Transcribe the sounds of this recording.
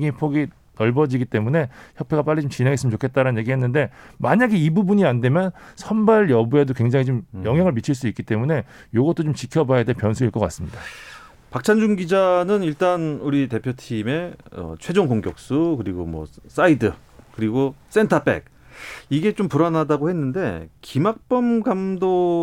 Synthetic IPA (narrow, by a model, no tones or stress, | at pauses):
ɡipʰoɡi | nʌɭbʌd͡ʑiɡit͈e̞mune̞çjʌpʰe̞ɡap͈aʎːit͡ɕomt͡ɕine̞ŋɦes͈ɯmnt͡ɕokʰet͈̚aɾanɯnɲje̞ɡiɦe̞nːɯnde̞maɲaɡiibubuɲiande̞mjʌnsʰʌnbaɭjʌbue̞dokweŋd͡ʑaŋit͡ɕomjʌŋɦjaŋɯɭmit͡ɕʰiɭs̬͈uik͈it͈e̞mune̞ | joɡʌt͈ot͡ɕomt͡ɕikʰjʌbajadepjʌnsʰuiɭk͈ʌk͈as͈ɯmɲida | pak̚t͡ɕʰand͡ʑuŋɡid͡ʑanɯniɭt͈anuɾite̞pʰjotʰime̞ʌ̰t͡ɕʰwe̞d͡ʑoŋɡoŋɡjʌk̚s͈ukɯɾiɡomwʌ̰s͈aidɯ | kɯɾiɡos͈e̞ntʰap͈e̞̰k̚ | iɡe̞t͡ɕompuɾanadaɡohe̞nːɯnde̞̰kimak̚p͈ʌmɡamdo